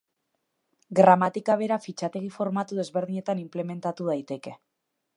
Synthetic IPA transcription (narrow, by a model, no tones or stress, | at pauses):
ɡɾamat̪ikaβ̞e̞ɾafit͡ʃat̪e̞ɣ̞ifo̞ɾmat̪uð̞e̞zβe̞ɾð̞iɲe̞t̪animple̞me̞nt̪at̪uð̞ajt̪e̞ke̞